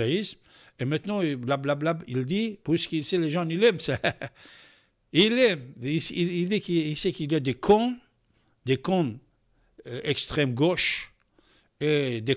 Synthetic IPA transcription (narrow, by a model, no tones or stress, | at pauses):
aism | emɛ̃t̪nɑ̃blablablabild̪ipuʁsə̥kilsɛleʒɑ̃nilɛmsa | ilɛmisiild̪ikisɛkiljad̪ekʰɔ̃ | d̪ekɔ̃ | ɛkst̪χɛmɡoʃ | ed̪e